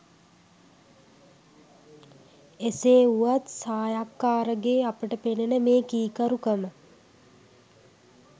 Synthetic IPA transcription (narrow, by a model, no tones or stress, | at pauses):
eseːuʋat̪saːjakːaːɾəɡeːapəʈəpenenəmeːkiːkəɾukəmə